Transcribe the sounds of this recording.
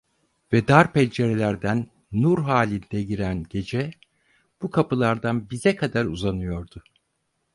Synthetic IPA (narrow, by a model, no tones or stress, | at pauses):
vɛd̪aɾpʰɛlʲd͡ʒeɾelʲæɾd̪ænː | uɾɦaːlʲind̪ɛɟiɾænɟe̞d͡ʒɛ | b̥ukʰapɯlˠaɾd̪anbizɛkʰad̪aɾuzanɯjo̞ɾd̪ʊ